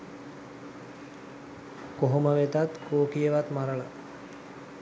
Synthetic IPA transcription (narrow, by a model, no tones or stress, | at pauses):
koɦoməʋet̪at̪koːkijəʋat̪maɾəla̰